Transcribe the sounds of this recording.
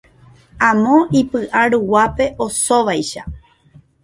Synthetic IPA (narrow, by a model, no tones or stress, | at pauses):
ãmõ̞ʔipɨʔaɾuwape̞ʔo̞so̞ʋajʃa